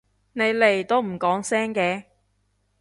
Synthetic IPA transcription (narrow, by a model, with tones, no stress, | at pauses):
ne˨˧jle˨˩jt̪o˥wm̩˨˩kɔː˨˥ŋsɛː˥ŋkɛː˨˧